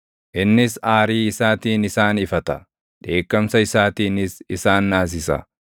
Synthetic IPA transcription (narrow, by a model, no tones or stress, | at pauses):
ʔɪnːɪsaːɾiːɪsaːt̪iːnɪsaːnɪfɐt̪ɐ | ᶑe̞ːkːɐmsɐɪsaːt̪iːnɪsɪsaːnːaːs̬ɪsɐ̰